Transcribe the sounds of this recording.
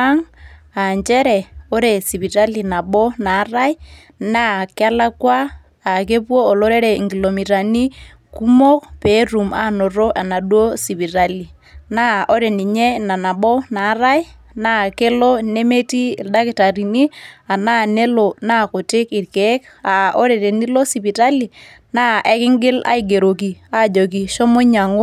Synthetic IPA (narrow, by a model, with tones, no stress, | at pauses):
a˦ŋ | a˨ɲt͡ʃɛ˦ɾɛ˨o˦ɾe˨si˨bi˨ɾa˦li˨na˨ɓɔ˦na˨˦ra˦i˦ | na˦˨kɪ˦a˦la˦kwaː˦˨ | k̬e˦pwoː˦˨lo˦ɾe˦ɾe˨ŋɡi˨lo˨mi˨ɾa˨ni˦ | ku˦mo˦kpe˨˦ru˨ma˦no˨ɾo˦ʔa˨na˨ɗwo˦si˨bi˨ɾa˦li˨ | na˦ʔo˦ɾe˨ni˨ɲɛ˦na˨na˨ɓɔ˦na˨˦ɾa˦j | na˦ke˦lɔ˦ne˦me˦tḭ˦˨lda˦kɪ˨ta˨ɾi˨ni˦a˨naː˦ne˦lo˨na˦˨kʊ˨tɪ˦kɪ˨ɾke˨˦k | a˨ʔɔ˦ɾe˨ɾe˨ni˦lo˦si˨pi˨ta˦li˨ | naː˦ʔɛ˨kɪ˦ŋɡɪ˦la̰˨˦i˨ɡe˨ɾo˨k̬i˨a˦˨d͡ʒo˨k̬i˨ʃɔ˦mo˦ɲa˨ŋo˦